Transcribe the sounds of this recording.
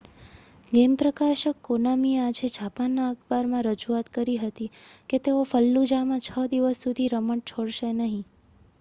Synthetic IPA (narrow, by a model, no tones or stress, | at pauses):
ɡempɾəkaʃəkːonamiead͡ʒed͡ʒʱapanːaəkbaɾmãɾəd͡ʒuat̪kəɾiɦət̪iket̪eofəlːud͡ʒamãt͡ʃʰəd̪iʋəsːud̪ʱiɾəməʈ̚t͡ʃʰoɽʃenəɦĩ